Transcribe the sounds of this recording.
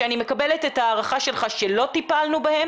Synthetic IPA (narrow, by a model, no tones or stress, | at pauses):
eanimekabelet̪etaːʁaχaʃe̞lχaʃe̞lo̞t̪ipalnubahe̞m